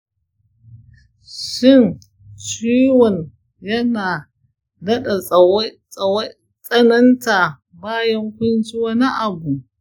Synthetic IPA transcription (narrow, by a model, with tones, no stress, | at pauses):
ʃɪ˦˨n | t͡ʃiː˦wɔ˨ɲ | jɐ˦naː˨ | dɐ˦ɗa˨˦˨ | w | t͡sʼɐ˦nɐ˦nta˨ | baː˦jɐ˦ŋkʷʊ˦nt͡ʃi˦wɐ˦ni˦ʔa˨bu˨